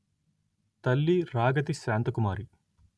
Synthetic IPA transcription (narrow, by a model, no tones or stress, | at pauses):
t̪ɐlːiɾaːɡɐt̪isaːnt̪ɐkumaːɾi